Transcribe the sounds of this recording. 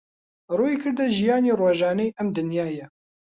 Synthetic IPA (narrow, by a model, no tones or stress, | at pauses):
roːjikʰɨɾd̪ɛʒijɑːneːroːʒɑːnɛjʔɛmd̪ɨnjaːjɛ